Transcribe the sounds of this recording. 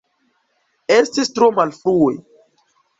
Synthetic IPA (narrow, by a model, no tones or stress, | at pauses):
estistɾomalfɾue